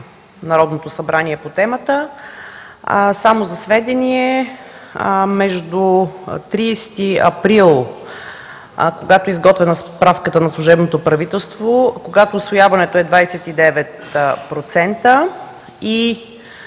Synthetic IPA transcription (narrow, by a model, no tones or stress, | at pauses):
nɐɾɔd̪not̪osɐbɾaniɛpot̪ɛmət̪ə | samozɐsvɛd̪ɛniɛ | mɛʒd̪ut̪ɾiːst̪iɐ̰pɾilˠ | koɡat̪oɛizɡɔt̪vɛnɐspɾafkət̪ənɐslˠuʒɛbnot̪opɾɐvit̪ɛlˠst̪vokoɡat̪oːsvojavɐnɛt̪oɛd̪vajsɛt̪id̪ɛvɛt̪ | pɾot̪sɛnt̪ə | i